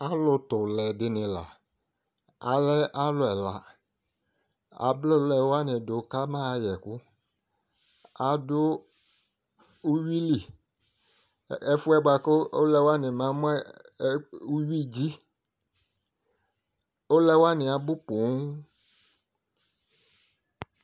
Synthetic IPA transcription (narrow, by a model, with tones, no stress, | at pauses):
a˨lʊ˨tʊ˨lɛ˨dɪ˨nɪ̃˨la̰˨ | a˨lɛ˦ʔa˦lʊ˨ɛ˨la˨ | a̰˨blʊ˦lɛ˨wa˦nɪ˨dʊ˨˦ka˦mã˦˨jɛ˨kʊ˦ | a˨dʊ˦ | u˦wi˦li˨ | ɛ˦fʊ˦ɛ˦ba˨kʊ˦o̰˦lɛ˦wa˦nɪ˨mã˨˦mʊ̃˦ɛ˦ | u˦ɥi˦d͡ʑi˦ | o˦lɛ˦wa˦nɪ˨a˨bʊ˦pʊ˨ŋ˦